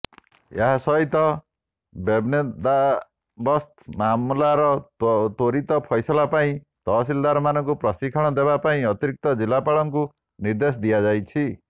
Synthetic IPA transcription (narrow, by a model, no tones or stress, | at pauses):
ḛɦasɔɦit̪ɔ | bebned̪a | bɔst̪mamulaɾɔt̪oɾit̪ɔpʰɔjsɔlapaĩ | t̪ɔsild̪aɾɔmanɔŋkupɾɔsikʰɔɽ̃ɔd̪eβapaĩɔt̪iɾik̚t̪ɔd͡ʒilapaɭɔŋku | niɾd̪es̬ɔd̪iad͡ʒajt͡ʃʰi